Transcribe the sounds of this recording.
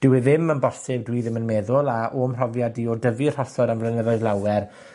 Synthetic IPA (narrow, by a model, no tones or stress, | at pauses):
d̥ɪwɪðɪmənbɔsɪbdwiːðɪmənmeːðʊlˠaʔoːmr̥ɔvjadiɔdəvir̥ɔsɔdanvlˠənɛðɔɨðlˠawɛr